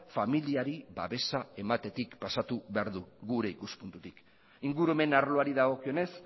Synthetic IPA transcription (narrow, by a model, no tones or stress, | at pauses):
familiaɾiβa̰βe̞sae̞mat̪e̞t̪ikpasat̪uβeaɾðuɣuɾe̞ikuspunt̪ut̪ik | iŋɡuɾueme̞naɾlo̞aɾiðaɣ̞o̞kio̞ne̞s